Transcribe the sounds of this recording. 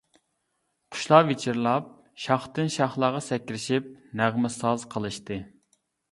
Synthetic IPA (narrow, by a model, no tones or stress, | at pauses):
qʰʊ̥ʃlˠɑvet͡ʃʰiɾlˠɑp̚ | ʃɑχt̪ɨnʃɑχlˠɑːʁɑsɛkʲːɾɪʃip̚næʁmɪsɑzqʰəlˠɨʃt̪ɨ